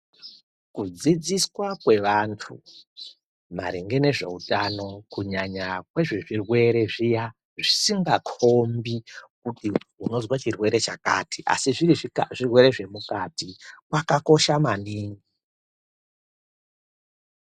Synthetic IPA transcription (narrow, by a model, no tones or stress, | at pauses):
kud͡zid͡ziswakwe̞ʋantʰu | ma̰ɾiŋɡe̞ne̞ʐe̞̰utʼano̞kuɲaɲakwe̞ʐeʐirwe̞ɾe̞ʐija | ʐisiŋɡakʰo̞mbikutiuno̞zwat͡ʃirwe̞ɾe̞t͡ʃaka̰tiʔa̰siʐiriʐirwe̞ɾe̞ʐe̞mukatikwakako̞ʃamaniːŋɡi